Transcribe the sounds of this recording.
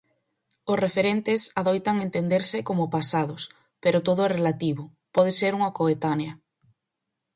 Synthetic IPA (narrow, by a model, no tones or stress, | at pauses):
ʊsrefeɾent̪ɪsaðojt̪aŋent̪end̪eɾsɪkomʊpasaðʊs | peɾʊt̪oðʊɛrelat̪iβʊ | pɔðeseɾuŋakoet̪aneɐ